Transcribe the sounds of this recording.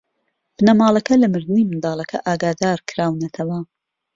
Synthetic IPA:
b̥ɨnɐmɑːlˠɐkɐlɐmɨɾd̪ɨnimɨnd̪ɑːlˠɐkʰɐ̰ʔaːɡaːd̪aːɾkʰɨɾaːwnɐt̪ʰɐwɐ

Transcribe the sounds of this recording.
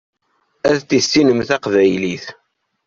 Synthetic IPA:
æðt̪isːinəmθæqvæjliθ

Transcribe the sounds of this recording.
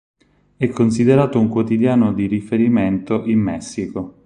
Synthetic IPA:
ɛkʰːons̬id̪eɾaːt̪ouŋkwot̪id̪jaːnod̪iɾifeɾiment̪oʔimːɛsːiko

